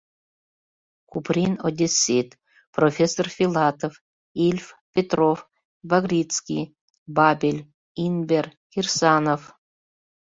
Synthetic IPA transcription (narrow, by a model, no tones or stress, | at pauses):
kuprʲinod̪ʲesʲit̪ | profʲesːorfʲilˠɑt̪of | ilʲfpʲet̪rof | baɣrʲit̪t͡skʲḭj | babʲelʲ | inbʲer | xʲirsanof